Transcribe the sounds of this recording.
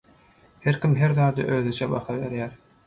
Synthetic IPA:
heɾkʲimɦeɾðɑːd̪ɯʔøːðyt͡ʃʰebɑ̰xɑβe̞̰ɾjæːɾ

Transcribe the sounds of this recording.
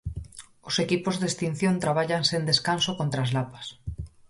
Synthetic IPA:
osekipozðest̪in̟θjont̪ɾaβ̞aʎaŋsend̪eskansokont̪ɾaːzlapḁs

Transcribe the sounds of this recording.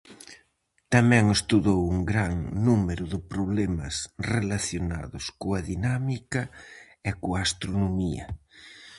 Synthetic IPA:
t̪amɛ̃ŋɪst̪uðowuŋɡɾaŋnumeɾʊðɪpɾoβlɛmɐ̰srelaθjona̰ðʊskoɐðinamikɐ | ɪkoaast̪ɾonomiɐ̰

